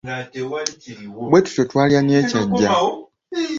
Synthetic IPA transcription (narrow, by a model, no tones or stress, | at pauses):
bwe̞tu̥totwaːliɾanie̞caɟːa